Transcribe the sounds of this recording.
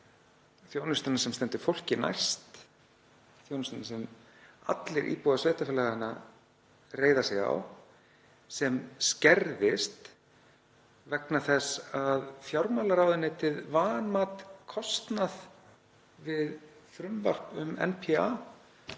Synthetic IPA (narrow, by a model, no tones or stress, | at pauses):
θjownʏst̪anasɛmst̪ɛnt̪ʏ̥fowl̥cɪna̰jst̪ | θjownʏst̪anasɛma̰t̪lɪɾʔḭːpowðasvɛːht̪afɪlaɣɪnːa | reːjðasɛɣa̰w | sɛmscɛɾðɪst̪ | vɛknaθɛsaðfjawɾmalaɾaːwðɪnːɪt̪ʰɪðvaːnmaːt̪kʰɔst̪nað | vɪðθɾʏmvar̥pʏmɛ̰npʰia̰